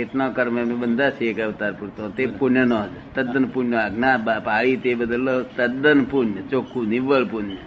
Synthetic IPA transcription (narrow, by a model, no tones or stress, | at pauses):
et̪nokəɾməmẽbənd̪at͡ʃʰeːkəʋt̪aːɾpuɾt̪õt̪epunənoːd͡ʒ | t̪əd̪ənpunoaɡnabapaːɭiːt̪ebəd̪əlːoːt̪əd̪ənpunət͡ʃoːkunɪʋːəɭpun